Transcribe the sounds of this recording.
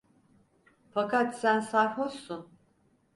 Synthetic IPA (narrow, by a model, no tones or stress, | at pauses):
fakʰat̪sænsahosun